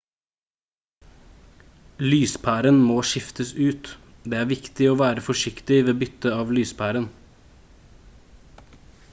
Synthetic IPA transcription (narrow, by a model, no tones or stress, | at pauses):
lyːspʰæːɾənmoːʃɪft̪ʰəsʉːt̪d̪eːæːɾʋɪkt̪ɪoːʋæːɾəfɔʂɪkt̪ɪʋeːbʏt̪əɑːʋlyːspʰæːɾən